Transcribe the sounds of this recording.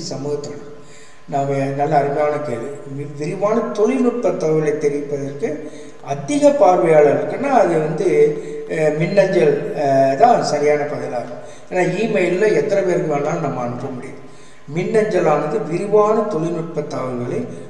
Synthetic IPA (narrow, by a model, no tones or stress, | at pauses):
sɐmuːɣɐt̪ːɐlɐl | naːmɐnɐlːɐːɾɯmɐjaːnɐkeːɭʋiʋɪɾɯʋaːnɐt̪ɔlɪnʊʈ̚pɐt̪ːaːʋɐɭɐɪt̪ːɛɾɪpːɐðɐɾkɯ | ɐd̪ɪɣɐpaːɾʋɐjaːɭɐɪɾɯkːɯnːaːɐðɯʋɐnd̪ɯ | mɪnːɐɲd͡ʒɐlt̪ãːsɐɾɪjaːnɐpɐðɪlaːɾɯkʊ̃ | eːnaːiːmɐjlɪlɐ̃ɛt̪ːɐnɐʋeɾɡɯaːnaːnnɐmːɐːɳɯpːɐmʊɽɪjɐ̰̃ | mɪnːɐɲd͡ʒɐlaːnɐðɯʋɪɾɯʋaːnɐt̪ɔɭɪnʊʈ̚pɐt̪ːaːʋɯɣɐɭɐ